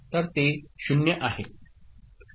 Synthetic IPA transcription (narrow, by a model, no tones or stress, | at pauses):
t̪əɾt̪eɕunjəʔaɦe